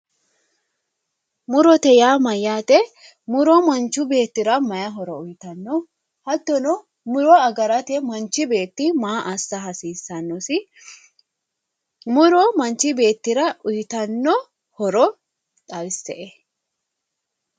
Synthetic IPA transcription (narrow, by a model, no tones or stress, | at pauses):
mʊɾɔt̪ɛjaːmɐjːaːt̪ɛ | mʊɾɔmɐnt͡ʃːʊbe̞ːt̪ːɪɾɐmɐjɐɦɔɾɔʊjɪt̪ɐnːɔ | hɐt̪ːɔnɔ | mʊɾɔɐɡɐɾɐt̪ɛmɐnt͡ʃːɪbe̞ːt̪ːɪmaːʔɐsːɐɦɐsiːsːɐnːɔsɪ | mʊɾɔmɐnt͡ʃːɪbe̞ːt̪ːɪɾɐʊjɪt̪ɐnːɔ | hɔɾɔ | tʼɐjɪsːɛʔɛ